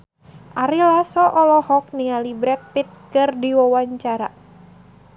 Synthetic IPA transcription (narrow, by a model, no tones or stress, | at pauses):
ʔaɾilasɔʔɔlɔhɔk̚nialibɾɛt̪̚pit̪̚kɨrdiwawaɲt͡ʃaɾa̰